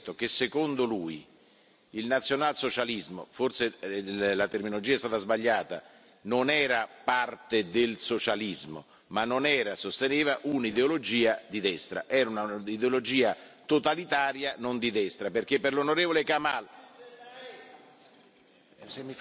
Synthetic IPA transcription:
t̪ːok̟esːekond̪oluːj | ilnat̪sːjonalsot͡ʃalizmo̰forselat̪erminolod͡ʒiːaɛst̪aːt̪azbaʎːaːt̪a̰ | nonɛːɾapart̪ed̪elsot͡ʃalizmo̰ | manːonɛːɾasost̪eneːvaʔunid̪eolod͡ʒiːad̪id̪ɛst̪ɾa̰ʔɛːɾaunaid̪eolod͡ʒiːat̪ot̪alit̪aːɾjanond̪id̪ɛst̪ɾaperk̟epːerlonoɾeːvolekamal

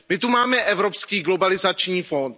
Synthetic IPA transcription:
mɪt̪umaːmɛʔɛvɾo̞pskiːɡlo̞balɪzat͡ʃɲiːfo̞nt̪

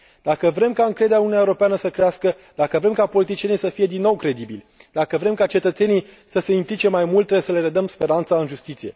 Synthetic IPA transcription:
d̪̥akəvɾe̞mkaɨŋkɾe̞d̪aununjaewɾopeanəsəkɾeaskə | d̪̥akəvɾe̞mkapo̞lit̪̬it͡ʃije̞nijsəfije̞d̪inːo̞wkɾe̞d̪ibilʲd̪̥akəvɾemkat͡ʃe̞t̪ət̪se̞nij | səse̞implit͡ʃe̞majmult̪ːɾeesəle̞ɾed̪əmspe̞ɾant̪saɨnʒust̪it̪sije̞̰

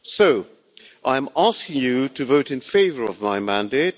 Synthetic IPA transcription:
soʊ | ʔãɪɨ̃mæskɪ̃ŋjɨɾʰɨvoʊɾɨ̃nfeɪvə˞ʌvmaɪmæ̃ndeɪt̚

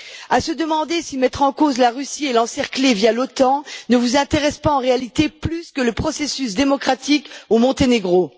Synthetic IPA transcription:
asəd̪əmɑ̃d̪esimɛt̪χɑ̃kozlaʁysielɑ̃sɛʁklevjalot̪ɑ̃nəvuzɛ̃t̪eʁɛspaɑ̃ʁealit̪eplyskələpχɔsesysd̪emɔkχat̪ikomɔ̃t̪eneɡʁo

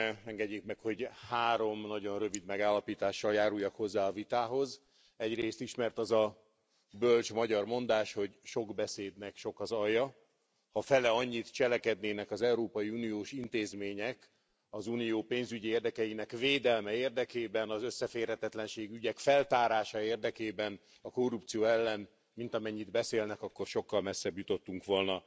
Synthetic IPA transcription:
ɛŋɡɛɟːekmɛkho̞ɟhaːɾo̞mnɒɟo̞nrø̞vid̪mɛɡaːlːɒpiːt̪aːʃːɒljaːɾujɒkho̞zːaːɒvit̪aːɦo̞z | ɛɟreːst̪iʃmɛrt̪ɒzɒ | bølt͡ʃmɒɟɒrmo̞nd̪aːʃho̞ɟʃo̞ɡbɛseːd̪nɛkʃo̞kɒzɒjːɒ | hɒfɛlɛɒɲːit̪t͡ʃɛlɛkɛd̪neːnɛkɒzɛuɾoːpɒjiuːnijoːʃint̪eːzmeːɲɛk | ɒzunijoːpeːnzyɟieːrd̪ɛkɛjinɛkveːd̪ɛlmɛeːrd̪ɛkeːbɛnɒzøsːɛfeːrhɛt̪ɛt̪lɛnʃeːɡyɟɛkfɛlt̪aːɾaːʃɒeːrd̪ɛkeːbɛn | ɒko̞rːup̚t̪sijoːɛlːɛn | mint̪ɒmɛɲːid̪bɛseːlnɛkɒkːo̞rʃo̞kːɒlmɛsːɛbjut̪o̞t̪ːuŋkʋo̞lnɒ

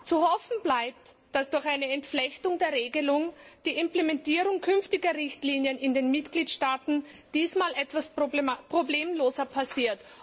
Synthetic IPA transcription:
t͡suhɔfn̩blaɪp̚t | d̥asd̥ʊɐxaɪnəɛntflɛçtʊŋdeːɐʁeːɡəlʊŋd̥iːɪmplemɛntiːʁʊŋkʰʏnftɪɡɐʁɪçtliːnjənɪndeːnmɪtɡ̥liːtʃtaːtn̩d̥iːsmaːlʔɛtv̥aspʁ̥obleːmloːzɐpʰasiːɐt

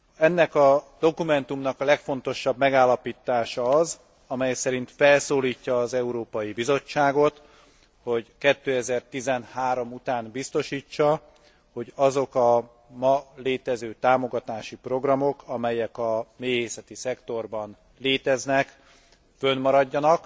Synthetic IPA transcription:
ɛnːɛkɒd̪̥o̞kumɛn̪t̪umnɒkɒlɛkfo̞n̪t̪o̞ʃɒbmɛɡaːlːɒpiːt̪ːaːʃɒɒz | ɒmɛjsɛɾint̪fɛlsoːliːcːɒːzɛuɾoːpɒjibizo̞t͡ʃːaːɡo̞t̪ | ho̞ɟkɛt̪ːøːɛzɛrt̪izɛnhaːɾo̞mut̪aːnbist̪o̞ʃiːt͡ʃːɒ | ho̞ɟɒzo̞kɒ | mɒleːt̪ɛzøːt̪aːmo̞ɡɒt̪aːʃipro̞ɡrɒmo̞kɒmɛjɛkɒmeːɦeːsɛt̪isɛkt̪o̞rbɒn | leːt̪ɛznɛk | fø̞nmɒɾɒɟːɒnɒk

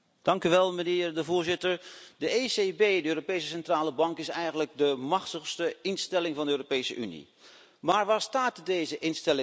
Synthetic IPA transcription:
d̥ɑŋkyʋɛlˠmənɪːɹdəvʊːɹzɪtəɹdəesebejdəøːɾopejsəsɛntraːləbɑŋkɪsɛjχənləɡ̚dəmɑχtəχstəɪnstɛlɪŋvɑndəøːropejsə̰ʔy̰nḭ | maːɹʋaːɹstaːtdejzəʔɪnstɛlɪ

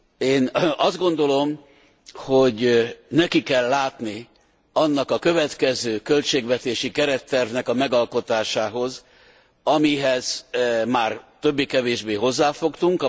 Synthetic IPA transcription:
eːnɒzd̪ɡo̞nd̪o̞lo̞m | hoɟnɛkikɛlːaːt̪ni | ɒnːɒkɒkø̞vɛt̪kɛzøːkø̞lt͡ʃeːɡvɛt̪eːʃikɛɾɛt̪ːɛrvnɛkɒmɛɡɒlko̞t̪aːʃaːɦo̞z | ɒmiɦɛz̥maːrt̪øbːiːkɛveːʒbeːɦo̞zːaːfo̞kt̪uŋk

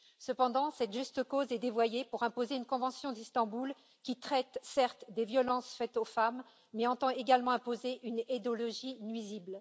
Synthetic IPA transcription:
səpɑ̃d̪ɑ̃sɛt̪ʒyst̪əkozɛd̪evwajepuʁɛ̃pozeynkɔ̃vɑ̃sjɔ̃d̪ist̪ɑ̃bul | kʲit̪χɛt̪sɛʁt̪d̪evjɔlɑ̃sfɛt̪ofamː | ɛɑ̃t̪ɑ̃eɡalmɑ̃ɛ̃pozeʔyned̪ɔlɔʒinɥizibl

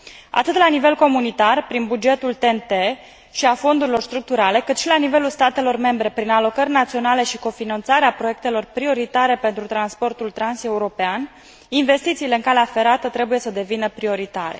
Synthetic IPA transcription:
a̰t̪ɨt̪lanive̞lko̞munit̪arpɾinbud͡ʒe̞t̪ult̪ent̪e | ʃiafo̞nd̪uɾilo̞rst̪ɾuk̚t̪uɾale̞kɨt̪ʃilanive̞lulst̪at̪e̞lo̞rme̞mbɾe̞pɾinalo̞kərʲnat̪sio̞nale̞ʃiko̞finant̪saɾeapɾoje̞k̚t̪e̞lo̞rpɾio̞ɾit̪aɾe̞pe̞nt̪ɾut̪ɾanspo̞rt̪ult̪ɾanse̞uɾo̞pean | inve̞st̪it̪siːle̞ɨŋkaleafe̞ɾat̪ət̪ɾe̞buje̞səd̪e̞vinəpɾio̞ɾit̪aɾe̞̰

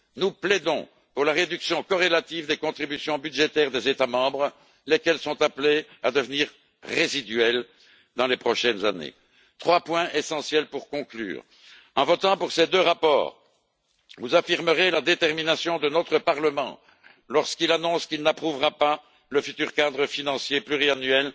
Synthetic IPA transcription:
nuplɛd̪ɔ̃ | puʁlaʁed̪yksjɔ̃kɔʁelat̪ivd̪ekɔ̃t̪χibysjɔ̃byd̪ʒet̪ɛːʁd̪ezet̪amɑ̃bʁə | lekɛlsɔ̃t̪aplead̪əvəniːʁ | ʁezid̪yɛl | d̪ɑ̃lepχɔʃɛnzanḛ | t̪χwapwɛ̃ʔesɑ̃sjɛlpuʁkɔ̃kly̰ːʁ | ɑ̃vɔt̪ɑ̃puʁsed̪øʁapɔ̰ːʁ | vuzafiʁməʁelad̪et̪ɛʁminasjɔ̃d̪ənɔt̪χəpaʁləmɑ̰̃ | lɔʁskilanɔ̃skilnapχuvʁapa | ləfyt̪yʁkad̪ʁəfinɑ̃sjeplyʁianɥɛl

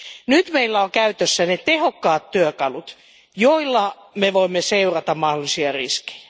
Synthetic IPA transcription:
nyt̪meilːæoŋkæyt̪øsːænet̪ehokːɑːt̪tyøkɑlut̪ | joilːɑ | meʋoimːeseurɑt̪ɑmmɑhdolisiɑrḭske̥jjæ̥

